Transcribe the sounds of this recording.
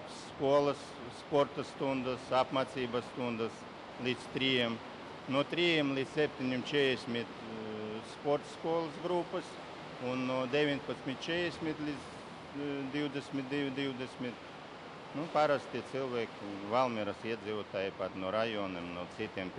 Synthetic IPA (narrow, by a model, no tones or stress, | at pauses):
sskuɔlˠəsː | pɔɾt̪ast̪und̪asapmaːt̪siːbasːt̪und̪as | lʲiːd̪st̪ɾijɛm | nuɔt̪ɾijɛmlʲiːt̪ssʲɛpʲt̪ʲinʲimt͡ʃɛdesʲmʲit̪ | spɔɾt̪skuɔlˠɨsɡɾupːəs | unːuɔd̪ʲeʋʲinʲpat̪sʲmʲit̪̚t͡ʃɛdesʲmʲit̪lʲid̪z | d̪ʲiwd̪ʲesʲmʲit̪̚d̪id̪ʲiwd̪esʲmʲit̪ | nupaɾast̪ʲiɛt̪silˠʋʲɛkʲvalˠmʲiɾasiɛd̪zʲiːʋut̪aːjipat̪nuɔɾajɔnimnut̪sit̪ʲiɛm